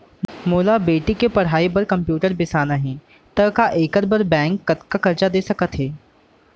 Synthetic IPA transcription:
moːlabeːʈikepɐɽɦaːibɐɾkɐ̃mpjuːʈəɾbɪsaːnaɦɛ̃ː | t̪ɐkaʔeːkəɾbəɾbɛ̃ːŋkːɐt̪kakɐɾt͡ʃad̪eːsɐkət̪ɦɛː

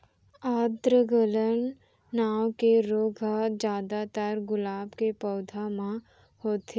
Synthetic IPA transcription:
aːd̪ɾəɡələnː | aːwkeɾoːɡʱad͡ʒaːd̪at̪aɾɡʊlaːbkepɔːd̪ʱamã | hoːt̪e

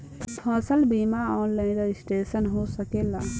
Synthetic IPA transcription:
pʰəsəlbimaɔːnlaɪnɾed͡ʒsʈeːsənɦosəkela

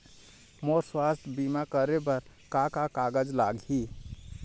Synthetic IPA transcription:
moɾswast̪ʰəbimakəɾebəɾ | kakakaɡəd͡ʒlaɡi

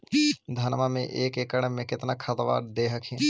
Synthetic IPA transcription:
d̪ʱɐnmamḛ̃ʔeːkeːkəɽmẽkɪt̪nakʰɐt̪ʋa̰ːɾd̪eːɦəkʰĩ

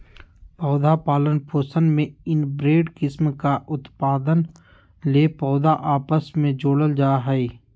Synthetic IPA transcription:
pɔːd̪apaːlənpʰoːsənmẽɪnbɾeːɖkɪsmkaʔʊt̪paːd̪ən | leːpɔːd̪aʔaːpəsmẽd͡ʒoːɽəld͡ʒaːɦɛe

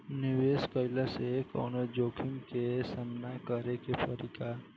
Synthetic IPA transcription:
niʋeskəjləsekɔ̰ːnod͡ʒoːkʰimkesamnakəɾekepʰəɾika

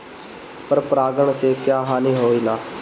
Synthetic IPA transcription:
pəɾpɾaːɡəɳseːkjaːɦãːnĩːɦoːiːlaː

